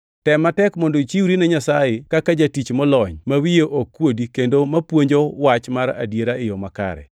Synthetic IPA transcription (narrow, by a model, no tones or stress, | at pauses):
tɛmːatɛkmondoit͡ʃiwɾinɛɲasajɪkakad͡ʒatit͡ʃmɔlɔɲmawijeʔokːwodikendomapwoɲd͡ʒowat͡ʃmaɾa̰djeɾaɪjɔmaka̰ɾɛ̰